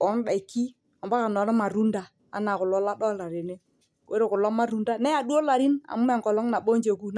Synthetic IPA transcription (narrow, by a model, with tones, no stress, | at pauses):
ɔ˦n˦ɗa˨i˨kːi˦ | a˨mba˦ka˨nɔ˨nɔ˦ma˨ɾu˦nda˨ | a̰˦na˨kʊ˨lɔ˦la˦ɗɔ˦la˨ɾi˨ne˦ | ko˦ɾe˦˨kʊ˨lɔ˦ma˦ɾu˦nda˦nɛ˦a˨du˦o˦la˨ɾi˦na̰˨mu˦mɛ˨ŋkɔ˨lɔ˦ŋna˨ɓo˦nd͡ʒe˨ku˦n˦